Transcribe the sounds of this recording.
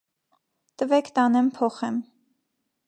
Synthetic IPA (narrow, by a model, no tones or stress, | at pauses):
t̪əvɛkʰt̪ɑnɛmpʰɔχɛm